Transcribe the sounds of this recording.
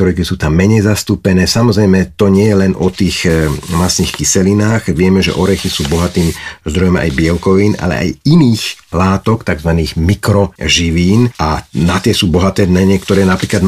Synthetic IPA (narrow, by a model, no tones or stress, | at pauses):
ɔɾɛkisuːt̪amːɛɲɛjzast̪uːpɛnɛːsamɔzɾɛjmɛt̪ɔɲɪɛjɛlɛnʔɔt̪iːxmasniːxkisɛlinaːxʋɪɛmɛʒɛ̰ʔɔɾɛxisuːbɔɦat̪iːmzd̪ɾɔjɔma̰jbɪɛlkɔʋiːna̰lɛ̰ʔa̰jiniːxlaːt̪ɔkt̪aɡzʋaniːɣmikɾɔʒiʋiːnanat̪ɪɛsuːbɔɦat̪ɛːnɛɲɪɛkt̪ɔɾɛːnapɾiːklad̪